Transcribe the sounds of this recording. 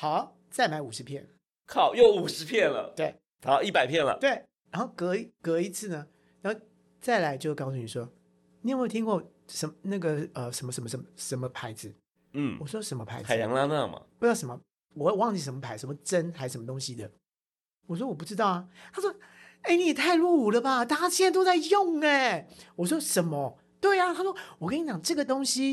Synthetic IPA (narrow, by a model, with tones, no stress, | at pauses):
xɑ˨˩˦ʊ | t͡sa˥˩ɪma˧˥ɪu˨˩ʂɻ̩˧˥pʰjɛ˥˩n | kʰɑ˥˩ʊjo˥˩ʊu˨˩ʂɻ̩˧˥pʰjɛ˥˩nlə̰˨˩t̪we˥˩ɪ | a˨˦i˥˩pa˨ɪpʰjɛ˥˩nlə̰˩˨t̪we˥˩ɪ | ɻa˧˥nxo˥˩ʊkɤ˧˥i˧˥kɤ˧˥i˧˥t͡sʰɹ̩˥˩nə˩ | ɻa˧˥nxo˥˧ʊ | t͡sa˥˩ɪla˧˥ɪt͡ɕjo˥˧ʊ˧kɑ˥˧ʊs̬u˥˩ni˨˩ʂwɔ˥ | ni˨˥˧we˥˩t̪ʰi˥ŋkwɔ˥˩ | ʂə˧˦mna˥˩ɡə˩ə˧ʂə˧˥nmə˧ʂə˧˥nmə˧ʂə˧˥mə˩ʂə˧˥nmə˧pʰa˧˥ɪd͡zɹ̩˨˩˥ | wɔ˨˩ʂwɔ˥ʂə˧˥nmə˧pʰa̰˧˥˦ɪa˨˦˨jɑ̰˧˦ŋla˥˧na̰˥˧mɐ̰˩pu˧jɑ˥˩ʊʂə˧˦mə˦ | wɔ˨˩˥wɑ˥˧ŋt͡ɕi˥˩ʂə˧˥nmə˧pʰa˧˥ɪʂə˧˥nmə˧ʈ͡ʂə˥nxa˧˥ɪʂə˧˥mə˧t̪ʊ˥ŋɕi˧d̪ə˨ | wɔ˨˩ʂ̬wɔ˥wɔ˨˩p̬u˥˩ʈ͡ʂɻ̩˥t̪ɑ˥˩ʊa˩t̪ʰa˥ʂwɔ˥ | e˥˩ɪni˨˩ɛ˨˩t̪ʰa˥˧ɪlwu˥˩u˨˩lə˦ba˨t̪a˥˩a˥t͡ɕi˥˧na˥˧t̪o˥ʊt͡sa˥˧ɪjʊ˥˩ŋɛ˨˩wɔ˨˩ʂ̬wɔ˥ʂə˨˩˦nmɐ˧ | t̪we˥˩ɪa˨˩t̪ʰa˥ʂwɔ˥wɔ˨kə˥ni˧˥˩t͡ɕjɑ˨˩ŋʈ͡ʂɤ˥˩ɡə˩t̪ʊ˥ŋɕi˥